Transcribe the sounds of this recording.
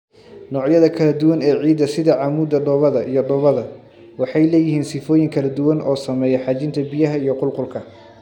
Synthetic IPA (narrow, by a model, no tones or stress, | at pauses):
nɔːʕjɐðɐkʰɐlɐd̪ʊwɐnɛːʕiːd̪ɐsɪðɐʕɑːmuːd̪ɐɖɔːβɐðɐʔijɔɖɔːβɐðɐ | wɑħɑjlɛːjɪhiːnsɪfɔːjɪŋkʰɐlɐd̪ʊwɐnʔɔːsɐmɛːjɛħɑːt͡ʃɪnt̪ʰɐbɪjɐɦɐijɞqʊlqʊlkʰɐ